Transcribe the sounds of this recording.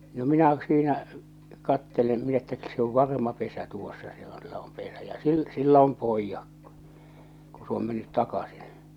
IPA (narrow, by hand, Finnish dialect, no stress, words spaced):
no minæ siːnæ kɑtːelem min etːæ se oʋ ʋɑrmɑ pesæ tuosːɑ se on se om pesæ jɑ sil silːæ̆ om poijːɑk ku̥ ku s oːm menːyt tɑkɑsi̥n̥